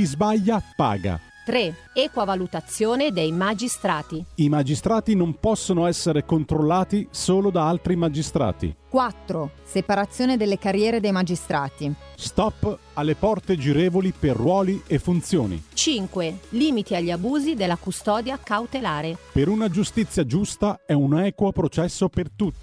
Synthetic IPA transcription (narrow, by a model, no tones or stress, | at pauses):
kizbaʎːapa̰ːɡa̰ | t̪ɾe | ɛːkwavalut̪at̪sːjoːned̪ejmad͡ʒist̪ɾaːt̪iimad͡ʒist̪ɾaːt̪inompɔsːonoɛsːeɾekont̪ɾolːaːt̪isoːlod̪aalt̪ɾimad͡ʒist̪ɾa̰ːt̪ḭkwat̪ːɾosepaɾat̪sːjoːned̪elːekarjɛːɾed̪ejmad͡ʒist̪ɾʔaːt̪i | st̪ɔpː | alːepɔrt̪ed͡ʒiɾeːvoliperːwɔːliefːunt̪sjoːnḭt͡ʃiŋkweliːmit̪iaʎːabuːzid̪elːakust̪ɔːd̪jakawt̪elaːɾepeɾunad͡ʒust̪it̪sːjad͡ʒust̪aɛunɛːkwopɾot͡ʃɛsːopert̪ut̪ːi